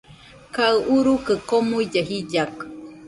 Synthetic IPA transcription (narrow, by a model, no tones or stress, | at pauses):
kaɨʔuɾukəkomuid͡ʒaɦid͡ʒak